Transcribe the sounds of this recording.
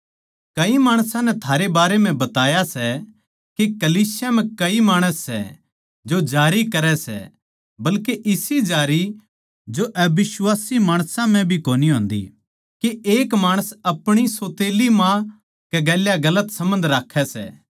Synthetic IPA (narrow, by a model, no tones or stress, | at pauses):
kɐimaːɽ̃sãnɛt̪ʰaːɾebaːɾem̤ɛ̃bɐt̪aːjasɛ | kekɐliːsjam̤ɛ̃kɐimaːɽ̃əsːɛ̰ | d͡ʒod͡ʒaːɾikɐɾɛsɛ̰ | bɐlkeʔɪsid͡ʒaːɾi | d͡ʒoʔɛbɪswaːsimaːɽ̃sãm̤ɛ̃bʱikoːniɦõːnd̪ḭ | keeːkmaːɽ̃əsɐpɽ̃isoːt̪eːlimã | kɛɡɛːljaɡɐlət̪sɐ̃mə̃nd̪ɾaːkʰːɛsɛ̰